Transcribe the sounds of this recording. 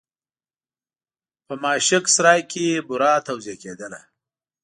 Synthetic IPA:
pəmɑːʃɪksɾɑːjkʰebʊɾɑːt̪awzijaked̪əla̰

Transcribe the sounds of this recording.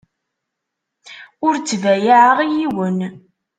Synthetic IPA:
ʊɾt͡sːvæjaʕəʁijiwən

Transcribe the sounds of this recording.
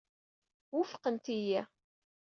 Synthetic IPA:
wʊfqənt̪ijæ

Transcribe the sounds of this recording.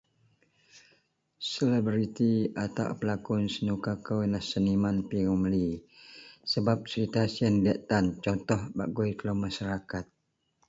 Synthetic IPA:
sɛlɛbɾit̪iat̪a̰wpəlakɔnsənukakawnahsənimanpiɣumli | səbap̚səɾit̪asiəndiaʔt̪ant͡ʃɔnt̪ɔhbaʔɡojklomaʃaɾakat̪̚

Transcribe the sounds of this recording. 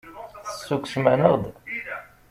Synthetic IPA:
θəsːuksmænəʁd̪

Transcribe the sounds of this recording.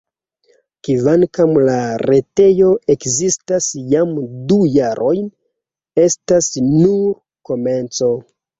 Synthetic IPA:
kivankamlaɾe̞te̞jo̞e̞kzistasjamdujaɾʔo̞jn | e̞stasnuɾ | ko̞me̞nt͡so̞

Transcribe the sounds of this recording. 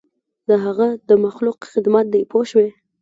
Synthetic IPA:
d̪əɦaɣad̪əmaxluqxɪd̪mat̪̚d̪ajpoʃwe

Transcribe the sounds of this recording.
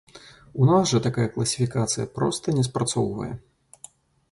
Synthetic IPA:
unasʐɐt̪akajɐklˠɐsʲifʲikat̪sɨjɐ̰pɾɔst̪ɐnʲɛspɾɐt̪sɔwvɐ̰jɛ̰

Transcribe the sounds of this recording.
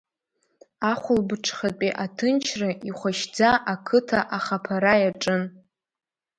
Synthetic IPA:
aχʷʊlbɨʈ͡ʂʰχat͡pʼiʔatʰɨnt͡ʃʰrɨiχʷaʃd͡zaʔakʰɨtʰaʔaχapʰaɾajaʈ͡ʂʼɨn

